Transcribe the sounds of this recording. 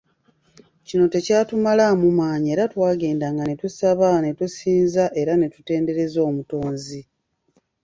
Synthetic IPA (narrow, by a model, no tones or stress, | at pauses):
cino̞te̞caːtumalamumaːɲie̞ːɾatwaːɡe̞ːndaŋɡane̞tusaβane̞tusiːnzaʔe̞ɾane̞tu̥te̞ːnde̞ɾe̞zo̞ːmuto̞ːnzi